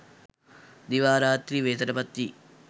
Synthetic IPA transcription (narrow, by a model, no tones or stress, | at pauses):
d̪iʋaːɾaːt̪ɾiʋeːt̪ɐɾɐbɐt̪ːi